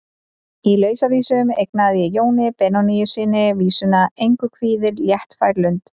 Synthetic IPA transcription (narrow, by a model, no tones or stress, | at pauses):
ilœːɥsaviːsʏmejknaðjɛjoːwnɪpɛnɔnijʏ̥sɪːnɪviːsʏnaejŋkʏkʰviːðɪɾljɛht̪fajɾlʏnt̪